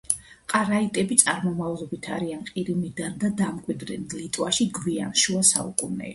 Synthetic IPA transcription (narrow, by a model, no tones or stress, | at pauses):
qʼaɾait̪ʼɛbit̪sʼaɾmɔmavlˠɔbit̪ʰa̰ɾianqʼiɾimid̪and̪ad̪amkʼwid̪ɾɛnlit̪ʼwaʃiɡwia̰nʃuasa̰ṵkʼunɛ̰